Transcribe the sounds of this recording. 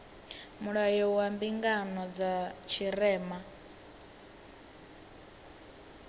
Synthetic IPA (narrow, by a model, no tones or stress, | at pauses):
muɺajɔwambiŋɡanɔd͡zat͡ʃʰiɾɛːma